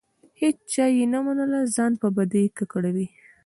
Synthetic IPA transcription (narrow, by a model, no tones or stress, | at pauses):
het͡ʃt͡ʃɑjenamanəlazɑnpəbad̪əjkakəɽawi